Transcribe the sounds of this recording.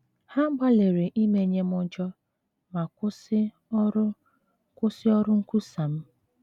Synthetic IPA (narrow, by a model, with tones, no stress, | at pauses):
ha˦ɡ͡ba˦le˨ɾe˨ʔi˦me˨ɲe˦mʊ˦d͡ʒɔ˦ | ma˨ks | kʊ˦sɪ˦ɔ˦ɾʊ˦ŋ̩˦ku˦sa˨m̩˦